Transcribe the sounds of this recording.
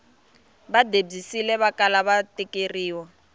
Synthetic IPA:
βadeb͡ʐisilɛβakalaβatikʼeriːwɔ

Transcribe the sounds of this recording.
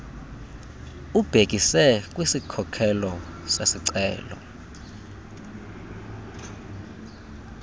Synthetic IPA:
ub̥ʱek̬isɛk̬ʼwisikʰɔkʰɛlɔsesiǀɛ̰ːlɔ̰

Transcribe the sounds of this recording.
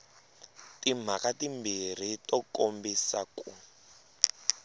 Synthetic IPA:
tim̤akatimbir̤itɔkombisaku

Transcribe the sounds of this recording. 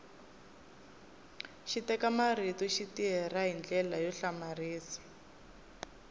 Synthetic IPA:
ʃitɛkamaritɔʃitiɦɛraɦind͡ɮɛlajɔɬamariːsḁ

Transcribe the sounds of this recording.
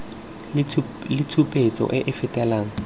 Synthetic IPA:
lɪtʰupʼet͡sɔ̰ʔɪʔɪfɪtʼɛlaːŋ̩

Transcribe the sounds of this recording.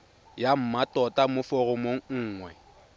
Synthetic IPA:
jam̩matʼɔtʼamʊfɔɣʊmoŋ̩ŋ̩ːŋwɛ

